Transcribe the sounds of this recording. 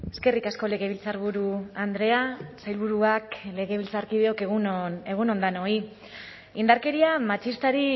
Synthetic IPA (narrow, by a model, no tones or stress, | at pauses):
e̞̥ske̞rikasko̞le̞ɣe̞βilt͡saɾβuɾuand̪ɾe̞asajlβuɾuakle̞ɣ̞e̞β̞ilt͡saɾkið̞eo̞keɣunone̞ɣuno̞nd̪ano̞i | ind̪aɾke̞ɾiamat͡ʃist̪aɾi